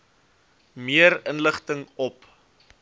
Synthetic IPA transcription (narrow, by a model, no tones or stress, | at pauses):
miəɾənləχtəŋɔp